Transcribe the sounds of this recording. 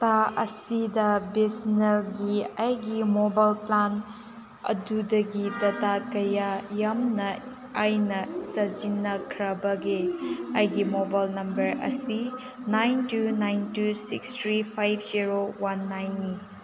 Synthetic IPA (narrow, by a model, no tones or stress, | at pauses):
taɐsidɐbesnɐɾɡiajɡimobajlplan | ɐ̰dudɐɡidɐtakɐjajɐmnɐ | ajnɐsɐd͡ʒinːɐkʰɾɐbɐɡeɐjɡimobajlnɐmbɐɾɐ̰si | najntunajntusḭkstʰɾipʰajbʰziɾowanːajnːi